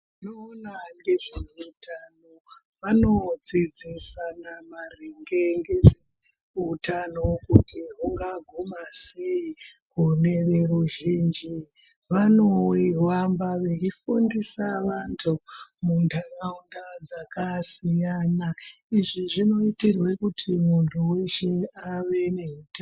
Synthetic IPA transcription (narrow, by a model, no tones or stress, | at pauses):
inoːnaŋɡe̞ʐeutʰano | ʋano̞d͡zid͡zisanamareŋɡeŋɡeʐe | utanokutiɦuŋɡaɡʱumasei | ɦune̞ʋeruʒiːnd͡ʒi | ʋanoiwambaʋet͡ʃifundisaʋantʰumundʰaraundad͡zakasijana | iʐiʐino̞itirwekutʰimuntʰuwe̞ʃeaʋe̞ne̞ɦuta